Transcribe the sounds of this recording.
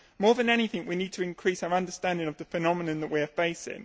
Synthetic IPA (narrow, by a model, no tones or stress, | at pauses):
mɔːðə̃nɛniθɪ̃ŋwiniːd̚tʰəɪ̃nkʰɹ̥iˑsaʊəɹʌ̃ndəstæ̃ndɪ̃ŋəvðəfənɒmɪnə̃nðəʔwiəfeɪsɪ̰̃ŋ